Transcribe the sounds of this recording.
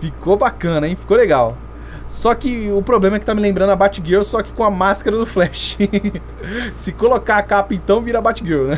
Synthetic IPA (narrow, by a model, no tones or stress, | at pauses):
fikobakɐ̃nɐẽfi̥koleɡaw | sɔkɪʊpɾoblẽmɐɛkɪ̥t̪amɪlẽmbɾɐ̃d̪ʊɐbat͡ʃiɡewsɔkɪ̥kõɐmaskɐɾɐd̪ʊflɛʃɪ̥ | sɪkolokaakapɐẽnt̪ɐ̃w̃viɾabat͡ʃiɡewnɛ̃